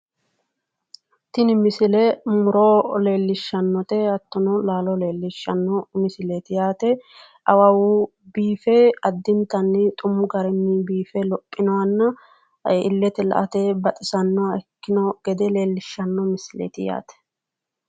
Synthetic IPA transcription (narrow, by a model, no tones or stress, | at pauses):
t̪ɪnɪmɪsɪlɛmʊɾole̞ːlːɪʃːɐnːɔt̪ɛɐt̪ːɔnɔlaːlɔle̞ːlːɪʃːɐnːɔmɪsɪlet̪ɪjaːt̪ɛ | ɐwɐwu | biːfeɐd̪ːɪnt̪ɐnːɪt̪ʼʊmːʊɡɐɾɛmːibiːfɛlɔpʼːɪnɔwɐnːɐ | ɪ̰lːɛt̪ɛlɐ̰ʔɐt̪ebɐt̪ʼɪsɐnːɔɛkːɪnɔɡ̥ɛd̪ɛle̞ːlːɪʃːɐnːɔmɪsɪlḛt̪ɪja̰ːt̪ɛ̥